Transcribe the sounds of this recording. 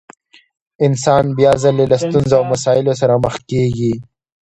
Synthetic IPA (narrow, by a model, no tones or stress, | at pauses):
ɪnsɑːnbjaːzɐlelast̪unzawmɐsɑːɪlos̬ɐɾaməx̚keɡi